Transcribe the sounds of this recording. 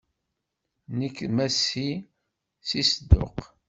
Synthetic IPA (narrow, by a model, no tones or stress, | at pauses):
nəkːmæsi | sisəd̪ːʊ̰q